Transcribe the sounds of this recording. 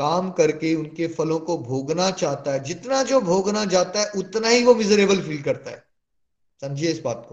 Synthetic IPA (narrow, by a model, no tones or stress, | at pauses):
kaːmkɐɾkeʊnkefɐlõkobʱoːɡnat͡ʃaːɦt̪aɦɛd͡ʒɪt̪nad͡ʒoːbʱoːɡnat͡ʃaːt̪aɦɛʔʊt̪naɦiʋomɪzəɾeːbəlfiːlkɐɾt̪aɦɛː | sɐ̃md͡ʒʱieɪsbaːt̪̚ko